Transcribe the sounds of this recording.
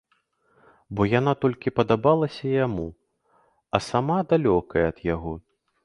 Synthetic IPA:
bɔjanat̪ɔlʲkʲipɐd̪abalˠɐsʲɐjamu | ɐsamad̪alʲɔkɐjɛːd̪̥jaɣɔ

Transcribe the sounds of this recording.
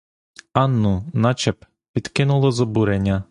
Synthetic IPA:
ɑnːʊnɑt͡ʃɛp | pʲid̪kɪnʊlˠɔzɔbuɾenʲːɐ

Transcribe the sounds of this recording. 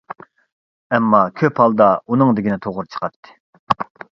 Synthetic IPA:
ɛmːɑkʲʰøphɑlˠd̪ɑunɨŋd̪ɪɡʲinɪt̪ʰoʁʊɾt͡ʃʰə̥qɑt̪ʰːɨ̥

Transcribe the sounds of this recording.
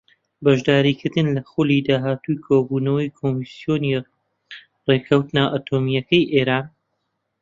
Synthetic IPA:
bɐʒd̪aːɾiːkʰɨɾd̪ɨnlɐxuliːd̪aːɦaːt̪ujkʰoːbuːnɐwɐjkʰoːmisjoːni | rekʰɐwt̪naʔat̪ʰomijɐkɐjʔeːɾaːn

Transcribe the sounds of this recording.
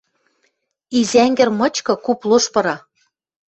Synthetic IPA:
izæŋɡɘ̆rmɤ̆t͡ɕkɤ̆kuploʃpɤ̆ɾɑ

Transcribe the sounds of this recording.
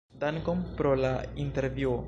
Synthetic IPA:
dankompɾolainte̞ɾvio

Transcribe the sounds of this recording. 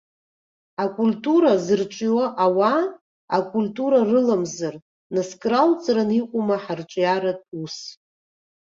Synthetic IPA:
akʷʼulʲtʼuɾazɨrʈ͡ʂʷʼiwaʔawa | a̰kʷʼulʲtʼuɾarɨlamzar | naskʼralt͡sʼraniqʷʼʊmaħarʈ͡ʂʷʼjaɾatʼus

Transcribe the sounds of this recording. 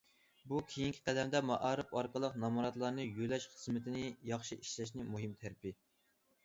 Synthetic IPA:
bukʲʰejiŋkʲʰi̥qʰæd̪ɛmd̪ɛmɑʔɑːɾɨpɑɾqəlˠəqnɑmuɾɑt̪lˠɑɾnɨjølɛʃχəzmɪt̪ʰɪnɪjɑχʃiʔiʃlɛʃ̬nɪmuɦɨmt̪ʰæɾpɪ

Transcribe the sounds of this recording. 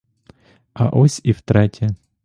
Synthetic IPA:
ɐʔɔsʲiwt̪ɾɛtʲɐ

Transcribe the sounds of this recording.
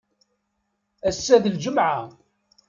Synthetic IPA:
æsːæðəld͡ʒəmʕa

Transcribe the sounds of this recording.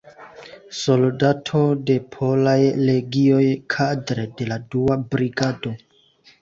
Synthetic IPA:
so̞ldatʰode̞pʰo̞lajle̞ɡio̞jkʰadɾe̞de̞laduabɾiɡado̞

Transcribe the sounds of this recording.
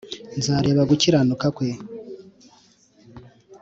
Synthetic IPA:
nzaːɾe̞ːβaɡuciɾanukakwe̞

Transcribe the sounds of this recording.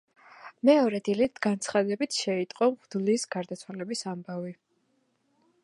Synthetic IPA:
mɛɔɾɛd̪ilit̪ʰɡant̪sʰχad̪ɛbit̪ʰʃɛit̪ʼqʼɔmʁd̪lisɡaɾd̪at̪sʰwalɛbisambavi

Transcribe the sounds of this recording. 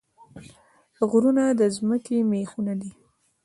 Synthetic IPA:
ɣɾunad̪əzməkemexunad̪i

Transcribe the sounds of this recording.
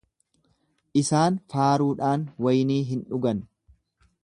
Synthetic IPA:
ʔɪsaːnfaːɾuːᶑaːnwɐjniːɦɪnᶑʊɡɐn

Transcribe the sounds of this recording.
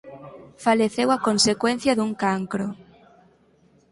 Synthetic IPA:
faleθewakonsekwen̟θjɐðuŋkaŋkɾo

